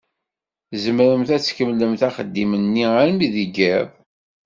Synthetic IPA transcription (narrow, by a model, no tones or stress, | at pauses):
zəmɾəmθæt͡sːkəmləmθæχəd̪ːimənːiaɾmiðiɡæv